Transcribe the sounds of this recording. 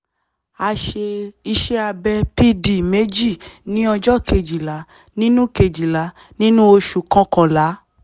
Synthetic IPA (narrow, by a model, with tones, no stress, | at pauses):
a˧ʃe˧i˧ʃɛ˦a˧bɛ˧pi˦di˨me˨˦d͡ʒi˦˨nĩ˦ɔ˧d͡ʒɔ˦ke˧d͡ʒi˨la˨˦ | nĩ˦nũ˦ke˧d͡ʒi˨la˨˦ | nĩ˦nũ˦o˧ʃu˨kã˧kã˨la˨˦